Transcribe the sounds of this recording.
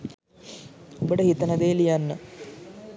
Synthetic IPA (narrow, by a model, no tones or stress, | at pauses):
obəʈəhit̪ənɐd̪eːlijanːə